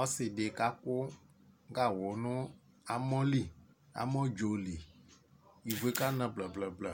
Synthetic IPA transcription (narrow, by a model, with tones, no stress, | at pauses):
ɔ˦sɪ˨ɖe˨ka˦kʊ˦ | ɡa˦wɔ˨nʊ̃˦ | a˨mɔ̃˦li˦ | a̰˨mɔ̃˦d͡ʒo˨li˨ | i˨vo˨e˦ka˦nã˨bla˨bla˨bla˨